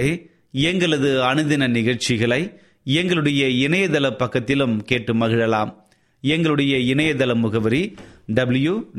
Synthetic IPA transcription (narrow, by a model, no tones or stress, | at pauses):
ɛŋɡɐɭɐðɯɐnɯðɪnɐnɪɣɐɻt͡ʃɪɣɐɭɐɪ | ɛŋɡɐɭɯɽɐjɐɪnɐjɐðɐlɐpːɐkːɐt̪ːɪlɯmkeːʈːɯmɐɣɪɻɐlaːm | ɛŋɡɐɭɯɽɐjɐɪnɐjɐðɐlɐmːʊɣɐʋɐɾiɖɐblju